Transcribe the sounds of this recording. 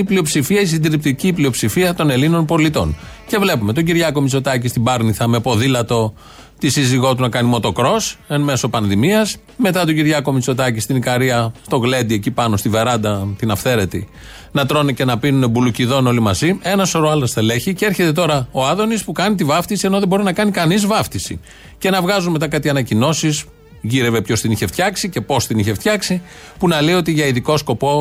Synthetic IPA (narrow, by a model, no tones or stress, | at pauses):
iplio̞psifiɐis̬ind̪ɾip̚t̪iciːplio̞psifiɐt̪o̞ne̞lino̞npo̞lit̪o̞̰nce̞vle̞pume̞t̪oɟiɾʝɐko̞mit͡so̞t̪ɐcist̪ibɐɾniθɐme̞po̞ðilɐt̪o̞ | t̪isiziɣo̞t̪unɐkɐnimo̞t̪o̞kɾo̞senme̞so̞pɐnðimiɐs | me̞t̪ɐt̪oɟiɾʝɐko̞mit͡so̞t̪ɐcist̪inikɐɾiɐst̪o̞ɣle̞d̪iecipɐno̞st̪ive̞ɾɐnd̪ɐt̪inɐfθe̞ɾe̞t̪i | nɐt̪ɾo̞nice̞nɐpinunebuluciðo̞no̞limɐzie̞nɐso̞ɾoɐlɐst̪ele̞çicee̞ɾçe̞t̪e̞t̪̬o̞ɾɐo̞ɐðo̞nispukɐnit̪̬ivɐft̪isie̞no̞ðebo̞ɾinɐkɐnikɐnizvɐft̪isḭ | ce̞nɐvɣɐzunme̞t̪ɐkɐt̪iɐnɐcino̞sis | ʝiɾe̞ve̞pço̞st̪iniçeft̪çɐksice̞po̞st̪iniçe̞ft̪çɐksi | punɐle̞iot̪iʝɐiðiko̞sko̞po̞